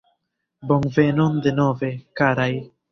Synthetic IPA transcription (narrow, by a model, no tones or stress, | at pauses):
boŋvenond̪enove̞kaɾaj